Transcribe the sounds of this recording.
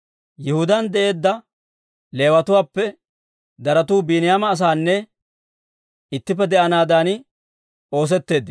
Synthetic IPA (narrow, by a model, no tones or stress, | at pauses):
jɪhʊd̪ɐnd̪ɛʔe̞ːd̪ːɐ | le̞ːwɐt̪ʊwaːpːɛ | d̪ɐɾɐt̪uːbiːnɪjaːmɐːs̬aːnːɛ | ɪt̪ːɪp̬ːɛd̪ɛʔɐnaːd̪aːn | o̞ːs̬ɛt̪ːe̞ːd̪ːɪ